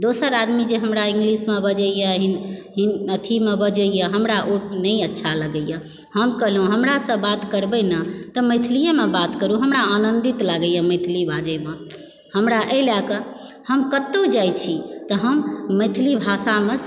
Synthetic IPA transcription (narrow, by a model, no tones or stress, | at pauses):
d̪osəɾad̪mid͡ʒeɦəmɾaĩŋɡlismebəd͡ʒəjəɦiɦinət̪ʰimebəd͡ʒəjəɦəmɾaʔuʈ̚nəiətːʃʰaləɡəjə̃ | həmkəɦlɦũɦəmɾasə̃bat̪kəɾbənət̪əməɪt̪ʰlijəmebat̪kəɾuɦəmɾaːnənd̪it̪laɡəjə̃məɪt̪ʰlibʱad͡ʒəjbə̃ | həmɾaʔelakə | həmkət̪ːod͡ʒajt͡ʃʰit̪əɦəmːəɪt̪ʰlibʱasame